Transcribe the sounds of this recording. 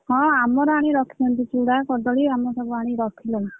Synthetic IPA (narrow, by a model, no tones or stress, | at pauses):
hɔ̃amɔɾɔaɽ̃iɾɔkʰilɔnt̪it͡ʃuɽakɔɖɔɭiamɔsɔbuaɽ̃iɾɔkʰilɔn